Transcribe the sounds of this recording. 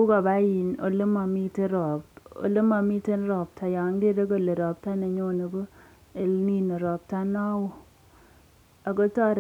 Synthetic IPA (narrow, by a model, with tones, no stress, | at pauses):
u˦ka˨ba˦ji˨no̰˨lə˦ma˨mi˦te˦ɾɔ˨bo̰˨le˦ma˨mi˦te˦n˦ɾɔ˨b̚ta˨ja˨˦ŋ˦de˦de˦ɡ̬o˦le˨ɾɔ˨p̚ta˦na˨ɲo˦ne˨ɡo˦ | e˨lni˦ne˨ɾɔ˨p̚ta˦nɔ˦wo˦˨ | a˨ɡɔ˦tɔ˦ɾ